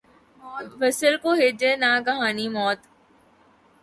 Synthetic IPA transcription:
mːʋəsəlkoːɦɪd͡ʒenaːkɐɦaːnimɔːt̪

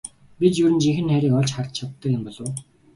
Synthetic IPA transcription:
pit͡ɕ̪jɵɾɘ̆nt͡ɕiŋxɘ̆nxæɾʲiːkɔɮt͡ɕχart̪t͡ɕʰawt̪ːə̆kjempɔɮŏw

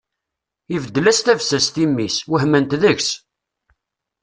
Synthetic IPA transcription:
ivəd̪ːəlæst̪ævsæst̪imːiswəhmənt̪ðəçs

